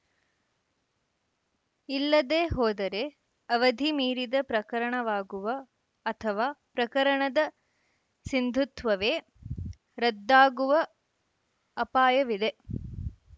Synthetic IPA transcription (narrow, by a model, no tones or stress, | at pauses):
ilːɐd̪eːɦɔːd̪ɐɾe | ɐʋɐd̪ʱimiːɾid̪ɐpɾɐkɐɾɐɳɐʋaːɡuʋɐː | t̪ʰɐʋaːpɾɐkɐɾɐɳɐd̪ɐ | sind̪ʱut̪ʋɐʋeː | ɾɐd̪ːaːɡuʋɐ | paːjɐʋid̪e